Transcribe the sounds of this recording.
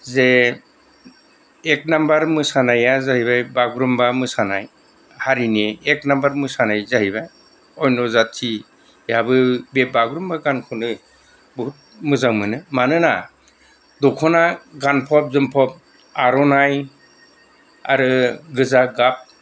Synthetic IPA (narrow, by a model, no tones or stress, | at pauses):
ze | k̚nambaɾmɯsanajazaɦibajbaɡɾumbamɯsanaj | haɾineːk̚nambaɾmɯsanajzaɦibaj | ɔjnɔzatʰi | jabɯbebaɡɾumbaɡankʰɔnɯ | buɦut̚mɯzaŋmɯnɯmanɯna | dɔkʰɔnaɡanpʰɔp̚zɯmpʰɔp̚ | aɾɔnaj | a̰ɾɯɡɯzaɡap̚